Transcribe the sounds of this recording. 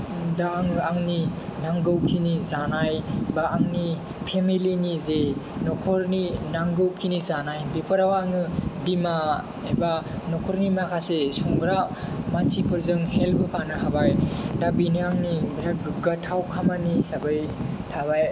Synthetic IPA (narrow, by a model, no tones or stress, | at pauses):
daŋɯaŋninaŋɡɯwkʰinizanajbaːŋni | pʰemilinizenɔkʰɔɾninaŋɡɯwkʰinizanajbepʰɯɾawaŋɯdima | eba | nɔkʰɔɾnimakʰasesɔŋɡɾamansipʰɯɾzɯŋhelbɯpʰanɯɦabajdabiniaŋnibɾaɡɐtʰːawkʰamanisabɯj | tʰaβaj